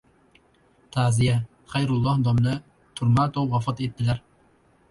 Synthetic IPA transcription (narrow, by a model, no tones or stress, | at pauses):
t̪ʰæʕzijɛ | χæjɾulˠːɑhd̪ɑmnɨ | t̪ʰuɾmɑt̪ʰowwɑfɑt̪et̪ʰːɪlæɾ